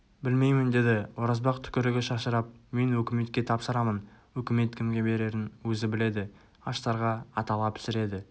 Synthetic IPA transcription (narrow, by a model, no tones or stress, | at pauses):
bɪlme̞jmɪnd̪e̞d̪ɪwoɾɑzbɑqt̪ʰʏ̥kʲɪɾɪɡʲɪʃɑʃəɾɑp̚me̞nwɵkʲɪme̞t̪kʲe̞t̪ʰɑpsəɾɑmənwɵkʲɪme̞t̪kʲʰɪmɡʲe̞be̞ɾe̞ɾɪnwɵzɪbɪle̞d̪ɪ | ɑʃt̪ɑɾʁɑɑt̪ɑlˠɑpʰɪ̥sɪɾe̞d̪ɪ